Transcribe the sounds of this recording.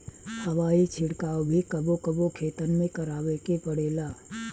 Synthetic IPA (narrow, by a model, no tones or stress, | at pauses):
hɐʋaːit͡ʃʰɪɽkaːobʱikəbokəbokʰeːt̪ənmẽkɐɾaːʋekepəɽeːlaː